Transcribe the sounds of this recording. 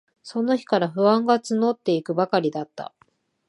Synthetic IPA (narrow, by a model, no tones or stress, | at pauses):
so̞no̞çi̥kaɾaɸɯ̟βãŋɡat͡sɨno̞t̪ːe̞ikɯ̟bakaɾʲid̪at̪ːa̰